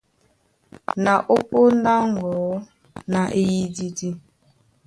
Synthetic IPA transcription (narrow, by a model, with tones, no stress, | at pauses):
na˨ʔo˦k͡po˦n̩˦da˦ŋ˨ɡɔː˨˦ | na˨ʔe˦ji˦di˦di˦